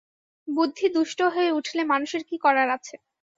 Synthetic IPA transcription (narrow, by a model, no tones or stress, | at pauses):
bud̪ʱːid̪ɾuʃʈoɦoeuʈʰilemanuʃeɾkikɔɾaɾat͡ɕʰe